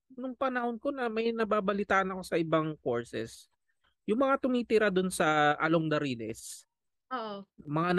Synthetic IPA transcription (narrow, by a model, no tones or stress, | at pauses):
nʊŋpɐnɐho̞nko̞nɐmɐjnɐbaːbɐlɪt̪aːʔɐnɐko̞sɐɪbɐŋko̞ɹsɛ̰s | jʊŋmɐŋat̪ʊmiːt̪iɾad̪ʊnsɐʔɐloŋd̪ɐɾiːnɛ̰s | oʔmɐŋan